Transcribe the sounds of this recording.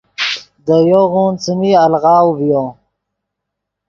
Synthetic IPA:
d̪əjoɣuːnt͡siniɐlɣɑːwvijõ

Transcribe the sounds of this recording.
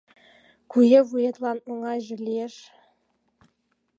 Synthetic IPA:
kujɘ̆vujɤ̆t̪lˠɑnoŋɑjʒɘ̆lʲeʃ

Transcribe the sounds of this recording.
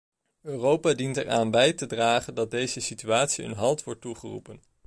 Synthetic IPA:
øːrowpaːdintɛraːnbɛjtədraːχəndɑt̚dejzəsityaːtsiɦə̰nɦɑlˠtʋɔɹt̚ːuχərṵpən

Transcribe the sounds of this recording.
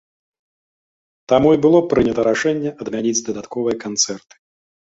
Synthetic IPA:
t̪amuibɨlˠɔpɾɨnʲɛt̪ɐɾaʂɛnʲːɛɐd̪mʲanʲid͡zʲd̪ɐd̪at̪kɔvɨjɐkant̪sɛrt̪ɨ̥

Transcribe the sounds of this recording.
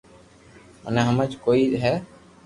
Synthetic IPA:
ə̰nɛɦəmət͡ʃkoːiɦɛ

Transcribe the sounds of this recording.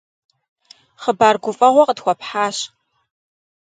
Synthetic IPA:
χəbaːrɡʷʊfʼɐʁʷɔqədxʷɔpħaːɕ

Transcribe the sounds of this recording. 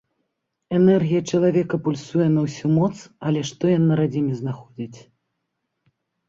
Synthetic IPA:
ɛnɛrɣʲijɐt͡ʂɐlˠavʲɛkɐpulʲsujɛnɐwsʲumɔt̪sɐlʲɛʂt̪ɔjanːɐɾad͡zʲimʲiznaxɔd͡zʲit͡sʲ

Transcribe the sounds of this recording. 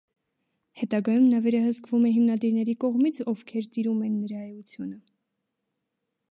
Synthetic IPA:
hɛt̪ɑɡɑjumnɑvɛɾɑhəskvumɛɦimnɑd̪iɾn̪ɛɾikɔʁmit͡sʰɔvkʰɛɾt̪iɾumɛnːəɾɑjut͡sʰjunə

